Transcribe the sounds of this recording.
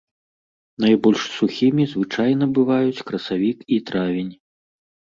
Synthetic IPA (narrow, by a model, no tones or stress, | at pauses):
nɐjbɔlʲʂsuxʲimʲizvɨt͡ʂajnɐbɨvajut͡sʲkɾɐsavʲikit̪ɾavʲenʲ